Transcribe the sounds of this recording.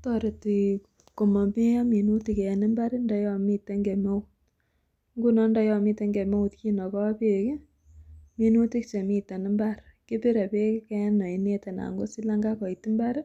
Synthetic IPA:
tɔ˦ɾe˨ti˨ | ko˨mɔ˨mi˦ja˦mi˨nu˦ti˨ke˨ɛ˨nɪ˦mba˦ɾi˦ndɔ˨˦jɔ˦˨mi˦te˦ŋɡe˨me˦ut | ŋɡu˦nɔ˦ndɔ˦jɔ˨mi˦te˦ŋɡe˨me˦u˨tki˦nɔ˨kɔ˦a˦pe˦ki˦ | mi˦nu˦ti˦kt͡ʃe˨mi˦ta˨ni˦mba˦ɾkɪ˦pi˦ɾa˨pe˦ki˦kɛ˦nɔ˨i˨ne˦te˨na̰˨ŋɡo˦si˦la˦ŋɡa˦kɔ˨i˨ti˦mba˦ɾ

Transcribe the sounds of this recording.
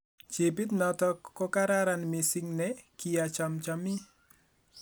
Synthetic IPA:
t͡ʃe˨pi˦t̪nɔ˨tɔ˦kɔ˦ka˦ɾa˦ɾa˨nmi˨si˦ŋnɛki˨ja˨t͡ʃa˨mt͡ʃa˨mɪ˦

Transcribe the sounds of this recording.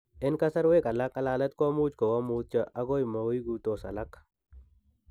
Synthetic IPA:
ɪ˦nka˦sa˦ɾwe˦ka˨la˦ka˦la˦lɐ˦t̪kɔ˦mu˦t͡ʃko˨wa˦muː˦t̪̚t͡ʃa˦ʔa˦ɡo˦jma˨wi˦i˦ɡu˦to˨sa̰˨la˦k

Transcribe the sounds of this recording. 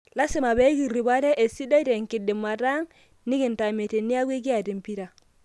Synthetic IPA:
la˦sɪ˨ma˨bɛ˨˦ɡi˨ɾi˨ba˦ɾɛ˦ʔe˨si˦da˦te˨ŋkɪ˨dɪ˨ma˨ta˦ŋ | ni˦kɪ˨n˨ta˨me˨te˨ni˦a˦kwe˦k̬i˦a˨di˨mpi˦ɾa˨

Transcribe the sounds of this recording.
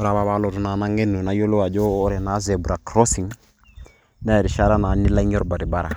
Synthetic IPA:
o˦ɾa˨βa˨βa˦lɔ˨tu˨na˨na˦ŋe˦nu˨na˦jo˦lo˦a˨d͡ʒoː˦ɾɛ˨na˨˦zɛ˨bu˨ɾa˨kɾɔ˦si˨ŋ | na˦˨ɾi˨ʃa˦ɾa˦na˨˦ni˦la˦ɲ˦ɔ˦ɾba˨ɾi˨ba˦ɾa˨

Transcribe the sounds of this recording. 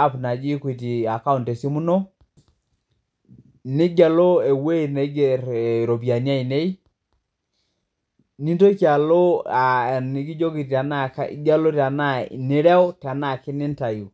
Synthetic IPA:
a˦˨pna˨d͡ʒi˦kwi˨t̬i˨a˨ka˦u˨nte˨si˦mu˦no˦ | ni˦ɡa˨lo˦e˨we˦i˨ne˨˦ɡe˨ɾɾo˨bja˨nja˦i˨ne˦i˦ | ni˦to˦ki˦a˨lo˦a˨ni˨ki˦d͡ʒo˦ki˨ta˨na˦kḭ˦ɡa˦lo˦ta˨na˦˨nɪ˦ɾɛ˦ɔ˦ta˨na˦˨ki˦nɪ˦n˦ta˨j

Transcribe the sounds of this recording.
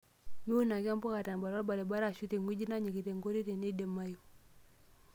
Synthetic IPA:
mi˦u˦na˨ka˦m˦pɔ˦ka˨ta˨n˨ba˨ɾa˦ba˨ɾe˨ba˦ɾa˦˨ʃu˦te˨ŋɡi˦d͡ʒi˦na˦ɲi˨ki˨te˨ŋɡo˦ɾi˦te˨ni˦dɛ˨ma˦ju˨

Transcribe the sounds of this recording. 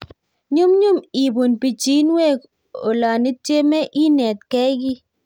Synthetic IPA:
ɲu˦mɲu˦mi˨bu˨npi˨t͡ʃi˦nwɛ˦˨k | o̰˨la˨ni˦tje˦mɛ˦ʔi˦nɛ˨t̪̚kɛ˦ɡɪ˦

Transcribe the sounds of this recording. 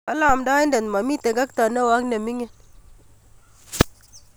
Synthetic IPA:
ka˦la˨mda˦jnde˨nma˨mi˦te˨ɡa˦kt̪a˨ne˦wa˦kne˨mi˦ŋe˨n

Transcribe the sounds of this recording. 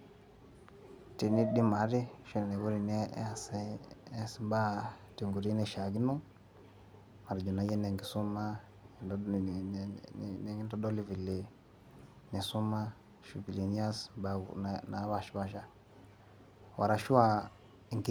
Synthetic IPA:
te˨ni˦di˦ma˨˦ɾi˦ʃi˦n˨ne˨wu˦ɾi˨ne˦ssba˦te˨ŋɡu˨ɾi˦ne˨ʃa˨ɡi˦no˦ | ma˨ɾd͡ʒo˨na˨˦je˦ne˨ŋɡi˨su˦ma˦˨˦ | n˨ŋi˦ndɔ˦do˦li˦vi˨le˨ | ne˨su˦ma˦ | ʃu˨bi˨le˨n˦a˦sba̰˨na˨˦wa˦˨ʃi˦ba˦ʃa˦ | wʔa̰˨ɾa˨ʃu˦wa˦˨ | ŋɡ

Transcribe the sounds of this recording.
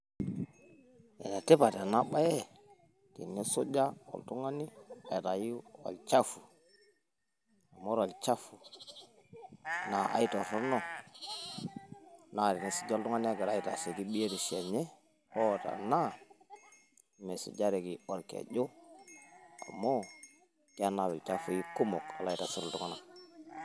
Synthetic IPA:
ḛ˨na˨te˦pa˨ta˨na˦ɓa˦je˦ | tḭ˨nːe˦so˦d͡ʒa˦wo̰˨ltu˦ŋa˦ni˦a˨ji˨ta˨ji˦wa̰˨lt͡ʃa˦fu˨ | a˨mo˦ɾwa˨lt͡ʃa˦fu˨ | na˨a̰˨ji˦to˨fo˦ɾno˦ | na˨ɾi˨ni˨si̥˦˨d͡ʒo˦ltu˦ŋa˦n˦a˦ɡa˨ɾa˦ji˨ta̰˨se˨ki˦ɓi˦je˦ti˨ʃe˨ɲe˦ | o˦˨ta̰˨na˦ | me˨sḭ˨d͡ʒa˦ɾe˨ki˨o˨ɾkḛ˨ɟo˦ | a̰˨mːo˦ | ki˦a˦na˨wi˨t͡ʃa˦fu˨ji˦ku˦mo˨ka̰˨la˦ji˨ta˨su˦ɾu˨tu˦ŋa˦na˨

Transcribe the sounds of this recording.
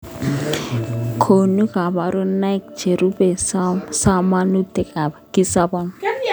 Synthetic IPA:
kʰo˨nu˦ka˨ba˨ɾɔ˦na˦jk̚d͡ʒe˨ɾu˦bɛ˨sasa˦ma˦nu˦tɛ˦˨kʼa˨baki˦sa˦ba˦m

